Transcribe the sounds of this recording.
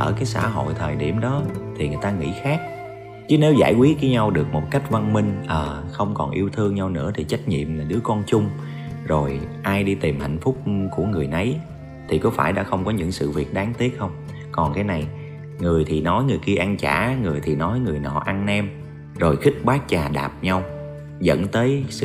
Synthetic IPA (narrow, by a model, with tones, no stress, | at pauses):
ʔəː˧˩kaː˨˦jsa̰ː˧˥˩ɦo̰˧˨jt̪ʰəː˨˩jɗḭ˧˩əmɗɔ˨˦t̪ʰi˨˩ŋɨ˨˩jt̪aː˧ŋḭ˧˥xaː˦˥k̚ | t͡ɕɨ˨˦ne˨˦wza̰ː˧˩jkwi˦˥t̚ki˨˦ɲa˧wɗɨ˨˩ək̚mo˨˩t̚ka˦˥jk̟̚va˧nmï˧ŋ̟ʔəː˨˩xə˧wŋ͡mkɔ˨˩nʔi˧əwt̪ʰɨ˧əŋɲa˧wnɨ̰˧˥ət̪ʰi˨˩t͡ɕa˦˥jk̟̚ɲḭ˧˨əmlaː˨˩ɗɨ˨˦əkɔ˧nt͡ɕʊ˧ŋ͡m | zo˨˩jʔaː˧jɗi˧t̪i˨˩mha̰˧˨jŋ̟fʊ˦˥k͡p̚ku˧˩əŋɨ˨˩əjnə˨˦j | t̪ʰi˨˩kɔ˨˦faː˧˩jɗa̰ː˧˥xə˧wŋ͡mkɔ˨˦ɲɨ̰˧˥ŋsɨ̰˧˨vḭ˨˩ət̚ɗaː˨˦ŋt̪i˦˥ək̚xə˧wŋ͡m | kɔ˨˩nkaː˨˦jna˨˩j | ŋɨ˨˩əjt̪ʰi˨˩nɔ˨˦jŋɨ˨˩əjki˧əʔa˧nt͡ɕa̰ː˧˩ŋɨ˨˩əjt̪ʰi˨˩nɔ˨˦jŋɨ˨˩əjnɔ̰˧˩ʔa˧nʔɛ˧m | zo˨˩jxï˦˥k̟̚ɓaː˦˥t̚t͡ɕaː˨˩ɗa̰ː˨˩p̚ɲa˧w | zə̰˧˥nt̪əː˨˦jsɨ̰˧